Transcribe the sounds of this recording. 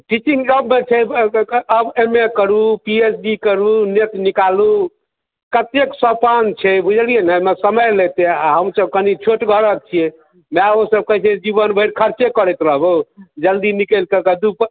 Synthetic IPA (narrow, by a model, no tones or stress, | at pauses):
ʈit͡ʃiŋɡd͡ʒəbmet͡ʃʰɛ | əbemekəɾupiesɖikəɾunet̪nikalu | kət̪eksɔpant͡ʃʰɛbʱud͡ʒʱəlijenəmesəməjlet̪eaɦəmsəb̚kənit͡ʃʰoʈɡʱəɾək̚t͡ʃʰije | mɛosəb̚kəɦt͡ʃʰed͡ʒibənbʱəjɾkʰəɾt͡ʃekəɾɛt̪ɾəɦbod͡ʒəld̪inikəlkəkəd̪up